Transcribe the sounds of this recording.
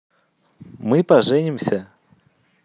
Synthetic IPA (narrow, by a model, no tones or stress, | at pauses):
mɨpɐʐɛnʲɪmsʲə